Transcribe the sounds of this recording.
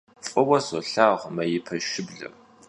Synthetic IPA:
fʼɔwɐsɔɬaːʁʷmɐjɪpʰɐʃɪbɮɐ̰r

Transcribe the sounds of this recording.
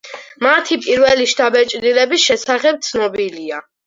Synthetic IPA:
mat̪ʰipʼiɾvɛliʃt̪ʰabɛt͡ʃʼd̪ilɛbisʃɛsaχɛp̚t̪sʰnɔbilia

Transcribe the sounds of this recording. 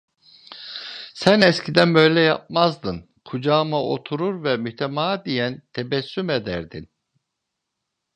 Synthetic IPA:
sænɛscʰid̪ænbø̞jlʲɛja̰p̚mazd̪ɯn | kʰud͡ʒaːmaʔo̞̰t̪ʰuɾuɾvɛmyht̪ʰemaːd̪ijænt̪ʰebɛsːyme̞d̪æɾd̪in

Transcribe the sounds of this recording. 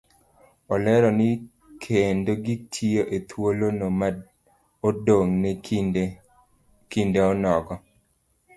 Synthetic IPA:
ɔlɛɾɔnɪ | kʰendoɡitʰioʔet̪ʰwolonoma | odoŋne | kindeɔnɔɡɔ

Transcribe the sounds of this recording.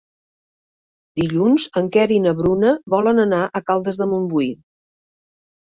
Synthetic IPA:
d̪iʎunzəŋkɛɾinəβɾunəβɔlənənaʔəkalˠd̪əzðəmumbui

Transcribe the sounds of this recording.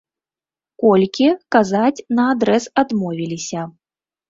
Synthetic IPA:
kɔlʲkʲikazat͡sʲnɐːd̪ɾɛsad̪mɔvʲilʲisʲɐ

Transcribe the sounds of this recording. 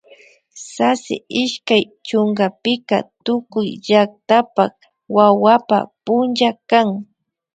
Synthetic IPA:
sasɪ̰ɪʃkaj | t͡ʃoŋɢapɪka̰t̪ʊkʊjʎak̚t̪apak | wawapa̰pʊnt͡ʃakaŋ

